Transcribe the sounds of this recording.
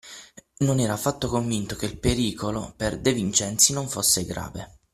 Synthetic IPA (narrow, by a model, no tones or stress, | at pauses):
nonɛːɾafat̪ːokoɱvint̪ok̟eilpeɾiːkoloperd̪evint͡ʃɛnt̪sinoɱfosːeɡɾa̰ːvḛ